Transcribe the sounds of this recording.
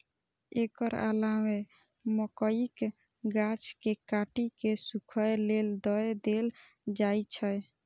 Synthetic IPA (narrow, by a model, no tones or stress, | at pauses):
ekəɾa̰lame | məkəik | ɡat͡ʃkekaʈikesukʰəjleld̪əed̪el | d͡ʒajt͡ʃʰəj